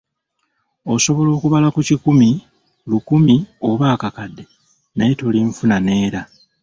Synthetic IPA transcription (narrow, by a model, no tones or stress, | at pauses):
o̞so̞βo̞lo̞ːkuβalakucikumi | lukumio̞βaːkakadːe̞ | najetoliɱfunane̞ːɾa